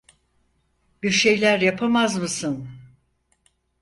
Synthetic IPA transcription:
biɾʃe̞jlʲæɾjapʰamazmɯsɯn

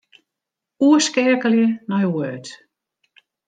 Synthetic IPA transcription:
uəskɛkəljənɔjwøːt

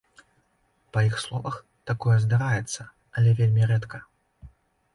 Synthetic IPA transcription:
pɐjixslˠɔvɐx | t̪akɔjɛzd̪aɾajɛt̪sːɐ | ɐlʲɛvʲelʲmʲiɾɛt̪kʰɐ

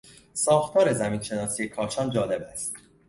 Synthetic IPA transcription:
sɒːxt̪ʰɒːɾe̞zæmiːnʃe̞nɒːsiːje̞kʰɒːt͡ʃʰɒːnd͡ʒɒːle̞bæst̪̚

